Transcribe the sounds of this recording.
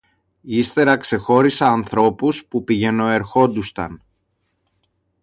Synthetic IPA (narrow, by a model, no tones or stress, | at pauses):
ist̪e̞ɾɐkse̞xo̞ɾisɐːnθɾo̞puspupiʝe̞no̞e̞ɾxo̞nd̪ust̪ɐ̰n